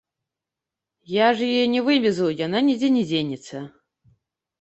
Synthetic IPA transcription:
jaʐjɔjnʲɛvɨvʲɛzɐwjananʲɛd͡zʲɛnʲɛd͡zʲenʲit̪sɐ

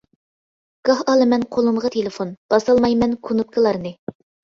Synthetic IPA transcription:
ɡ̥ɑhɑlˠɨmɛnqʰolˠumʁət̪ʰelɪfonb̥ɑsɑlˠmɑjmɛnkʰunup̚kʰəlˠɑɾnɨ

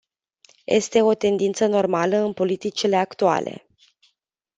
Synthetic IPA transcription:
jʔe̞̰st̪e̞o̞t̪e̞nd̪int̪səno̞rmaləɨnpo̞lit̪it͡ʃile̞akt̪ua̰le̞̰

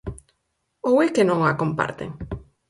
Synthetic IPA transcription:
owekenõŋakompa̰ɾt̪ḛŋ

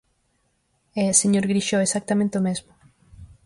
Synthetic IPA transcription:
ɛseɲoɾɣɾiʃoesak̚t̪amẽnt̪eomezmʊ

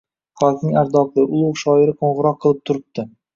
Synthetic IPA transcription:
χɒznɪŋaɾd̪ɒvd̪ɪʔʊlˠuwʃɒɪɾɪqʰoɴʁɨɾɒq̚ʰːɨlˠɪp̚t̪ʰʊɾɪp̚t̪ɪ

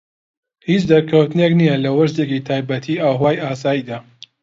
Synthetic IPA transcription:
hiːt͡ʃd̪ɐɾkʰɐwt̪ɨneknijɐlɐwɐʃd̪ekit̪ʰaːjbɐt̪ʰiːʔaːwɦwaːjaːs̬aːjiːd̪aː

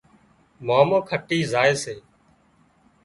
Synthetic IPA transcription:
maːmõːkʰəʈiːzaːeːseː

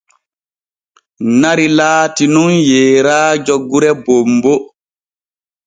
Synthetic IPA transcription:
naɾilaːtinunjɛːɾaːd͡ʒoɡːuɾɛbombɔ

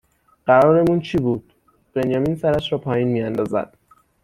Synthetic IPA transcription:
ɢ̥æɾɒːɾe̞muːnt͡ʃʰiːbuːd̪̥̚ | b̥enjɒːminsæɾæʃɾɒːpʰɒːjiːnmiːænd̪ɒːzæ̰d̪̥̚

